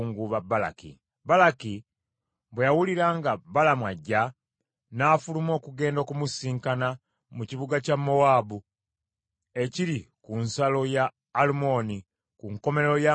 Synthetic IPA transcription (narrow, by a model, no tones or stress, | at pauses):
ŋɡuβabːala̰kḭ | balaki | βwejawuliɾaŋɡabalamwaɟːa | naːfulumo̞ːkuɡe̞ːndo̞ːkumusiːŋkana | muciβuɡacamːo̞waːbu | e̞ciɾikunsalo̞jaː | lumo̞ni | kuŋko̞me̞ɾeɾo̞ja